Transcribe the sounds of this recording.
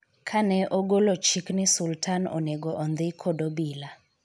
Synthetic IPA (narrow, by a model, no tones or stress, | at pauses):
kʰanɛʔɔɡolot͡ʃiknɪsultʰanɔ̰neɡɔʔɔnd̪ɪkʰɔdobila